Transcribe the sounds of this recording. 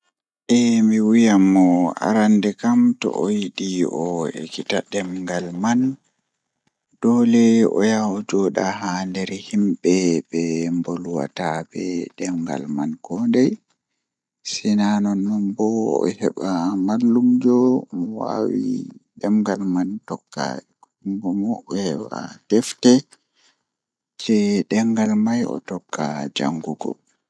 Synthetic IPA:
ʔɛmiwijamːɔa̰ɾandɛkamtɔ̰ʔojiɗiʔɔḛkitaɗɛmŋɡalman | d̥ɔlɛɔ̰jawɔd͡ʒɔːɗaɦandɛɾhimɓɛbɛmboluwa̰tabɛɗɛmɡa̰lmankɔdɛj | sinanɔnːɔnbɔɔ̰hɛɓamalːumd͡ʒɔmwa̰wḭɗɛmɡalmantɔkːa̰k | ŋɡɔmɔʔɛhɛwa̰tɛftɛ | t͡ʃɛɗɛŋɡalmajɔ̰tɔkːad͡ʒa̰ŋɡuɡɔ̰

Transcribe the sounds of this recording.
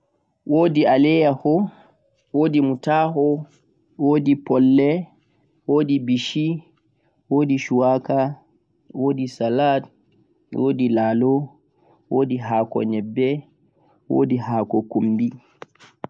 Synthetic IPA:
woːdialɛjahɔ | woːdimutahɔ | woːdipɔlːɛ | woːdibiʃi | woːdiʃuwaka | woːdisalat | wʔoːdilaːlɔ | woːdiɦaːkɔ̰ɲɛbːɛ | wo̰ːdiɦaːkɔkumbi

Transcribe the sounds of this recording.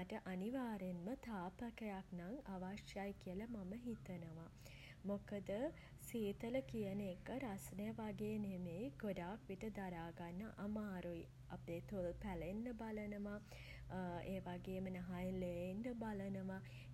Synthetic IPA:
aʈəʔaniʋaːɾenmət̪ʰaːpəkəjaknaŋaʋaʃjajkijələmaməɦit̪ənəʋa | mokəd̪ə | siːt̪ələkijənekəɾasnəjəʋaɡeːnemejɡoɖaːkʋiʈəd̪aɾaːɡanːəʔamaːɾui | ap̚d̪eːt̪ulpælenːəbalənəʋa | eːʋaɡeːmənɐɦajleenːəbalənəʋa

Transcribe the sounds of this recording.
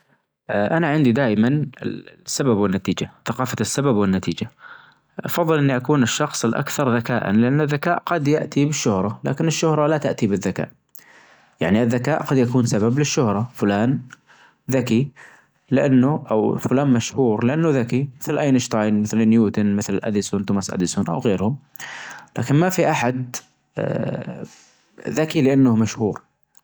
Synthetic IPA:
ʔʔanaʕɪnd̪id̪aːʔmanɪ̰sːababwɪnːat̪iːd͡ʒaθaqɑːfasːababwɪnːat̪iːd͡ʒa | ʔɑ̰fɑðˤːɨlʔɪnːiʔakuːnɪʃːɑxsˤɪlʔa̰kθɑɾˤðaka̰ːʔa̰nlɪʔanːaðːakaːʔqɑd̪jaʔt̪ibɪʃːʊhɾˤɑla̰ːkɪnɪʃːʊhɾˤɑlat̪aʔt̪ibɪðːaka̰ːʔ | ja̰ʕniʔɪðːakaːʔqɑd̪jakuːnsabablɪʃːʊhɾˤɑfʊlaːn | ðaki | lɪʔanːʊʔawfʊlaːnmaʃhuːɾlɪʔanːʊðakimɪθlʔajnɪʃt̪ˤɑːjnmɪθlɪnjuːt̪ʊnmɪθlʔa̰d̪ɪsʊnt̪ʊmasʔa̰d̪ɪsʊnʔa̰wɣeːɾhʊm | laːkɪnmafiʔaħad̪ | ðakilɪʔanːʊhmaʃhuːɾ

